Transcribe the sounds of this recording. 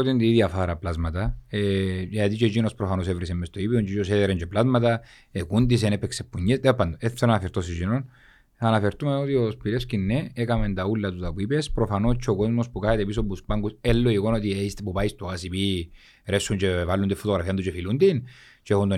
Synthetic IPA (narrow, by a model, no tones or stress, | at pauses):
ot̪ind̪iiðjɐfaɾɐplazmɐt̪ɐeeat̪it͡ʃed͡ʒinospɾofano̞sevɾisemːest̪oipioɲt͡ʃet͡ʃoseðeɾeɲd͡ʒeplazmɐt̪ɐ | ekund̪is̬enepːeksepːuɲːesd̪epːɐnd̪oeft̪ːonanɐfeɾt̪osid͡ʒinon | anɐfeɾt̪umenot̪iospiɾescinːeekɐmend̪ɐulːɐt̪ut̪ɐpuipespɾofɐnot͡ʃʰːeoko̞zmospukaet̪epis̬opuspaŋɡuselːoikonot̪ieist̪epupaist̪oasipi | ɾesːuɲt͡ʃevalːund̪ifot̪oɣɾɐfiɐnd̪ut͡ʃefilund̪in | t͡ʃeexund̪o